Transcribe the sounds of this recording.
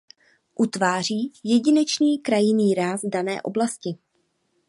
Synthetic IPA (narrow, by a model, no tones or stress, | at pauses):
ʔut̪vaːr̝iːjɛɟɪnɛt͡ʃɲiːkɾajɪniːɾaːzdanɛ̰ːʔo̞̰blascɪ